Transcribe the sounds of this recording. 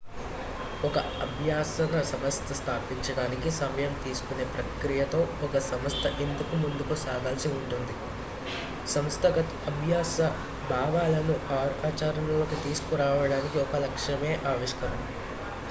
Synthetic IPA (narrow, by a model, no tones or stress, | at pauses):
ɔkɐɐbʱjaːsɐnɐsɐmɐst̪ʰɐst̪ʰaːpiɲt͡ʃɐɽaːnikisɐmɐjɐmt̪iːsu̥kune̞ːpɾɐkɾijɐt̪o̞ːɔkɐsɐmɐst̪ʰɐʔend̪ukumund̪ukusaːɡaːlsiuɳʈund̪i | sɐmst̪ʰɐɡɐt̪ɐbʱjaːsɐ | bʱaːʋaːlɐnuʔaːɾaːt͡ʃaːɾɐnɐlo̞ːkit̪iːsu̥kuɾaːʋɐɽaːnikiɔkɐlɐkʂɐme̞ːʔaːʋiʂkɐɾɐm